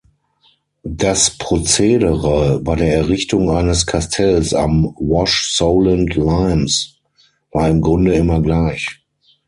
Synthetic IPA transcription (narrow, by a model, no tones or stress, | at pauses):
d̥aspʁ̥ot͡seːdəʁəbaɪdeːɐɛɐʁɪçtʊŋaɪnəskʰastʰɛlsa̰mwɔʃsoʊləntlaɪms | vaːɐɪmɡʁʊndəɪmɐɡlaɪç